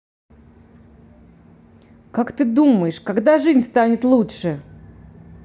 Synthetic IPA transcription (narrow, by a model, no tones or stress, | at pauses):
kakt̪ɨd̪uməjɪʂkaɡd̪aʐɨzʲnʲst̪anʲɪt̪lˠutʂɨ